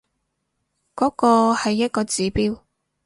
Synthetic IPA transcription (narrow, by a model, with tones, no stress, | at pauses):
kɔː˨˥kɔː˧hɐ˨jːɐ˥t̚kɔː˧t͡siː˨˥piː˥w